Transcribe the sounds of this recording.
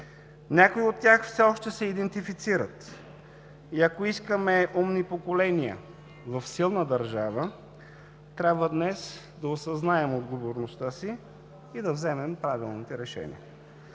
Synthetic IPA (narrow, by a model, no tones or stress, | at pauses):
nʲakoiot̪ːʲjaxfsɛɔʃt̪ɛsɛid̪ɛnt̪ifit̪siɾət̪ | iɐkoiskəmɛʔumnipokolɛnijə̰ | vɐfsilˠnəd̪ɐɾʒavə | t̪ɾʲabvəd̪nɛs | d̪ɐosɐznaɛmod̪ɡovoɾnost̪əsiː | d̪ɐvzɛmɛmpɾavilˠnit̪ɛɾɛʃɛ̰nḭə